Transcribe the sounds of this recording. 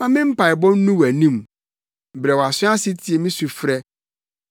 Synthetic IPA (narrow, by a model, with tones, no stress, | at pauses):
mã˦mɪ̃˦m̩˦pʰa˨ɪ˨bɔ̃˦n̩˦nũ˦wæ˨nĩ˦m˨ | bɾɛ˨wɔ˨a˨sʊ̃˦a˦sɪ˦tʰi˨e˨mĩ˦su˨fɾɛ˦